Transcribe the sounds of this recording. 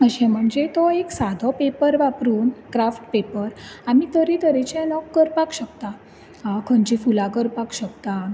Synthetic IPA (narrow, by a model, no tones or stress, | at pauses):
əɕɛ̃m̤əɳd͡zet̪ɔeksad̪ʱɔpepəɾʋapɾuːnkɾafʈpepəɾamit̪əɾit̪əɾet͡ɕɛ̃nɔkːəɾpakɕəkt̪a | kʰəɳt͡ɕifulãkəɾpakɕəkt̪a